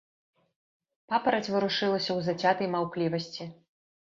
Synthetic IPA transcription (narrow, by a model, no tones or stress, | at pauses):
papɐɾɐt͡sʲvɨɾuʂɨlˠɐsʲɐwzat͡sʲat̪ɐjmawklʲivɐsʲt͡sʲi